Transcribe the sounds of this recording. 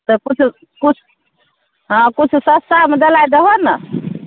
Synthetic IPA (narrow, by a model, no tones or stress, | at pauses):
t̪əkut͡ʃʰu | kut͡ʃʰu̥ | ɦãkut͡ʃʰusəst̪amed̪elajd̪əɦənə